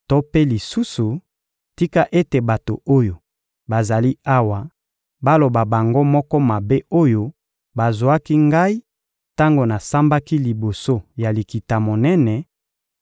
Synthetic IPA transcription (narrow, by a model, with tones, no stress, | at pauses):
tɔ˦pe˦li˨su˦su˨ | ti˦ka˦ʔe˦te˨ba˨to̰˨o˦jo˨ | ba˨za˨li˦a˦wa˨ | ba˦lo˨ba˨ba˨ŋɡo˦mɔ˦kɔ˦ma˨be˦o˦jo˦ | ba˨zo˨a˦ki˦ŋɡa˦i˦ | ta˦ŋɡo˨na˨sa˦mba˦ki˦li˨bo˨so˦ja˨li˨ki˨ta˨mo˨nɛ˦nɛ˨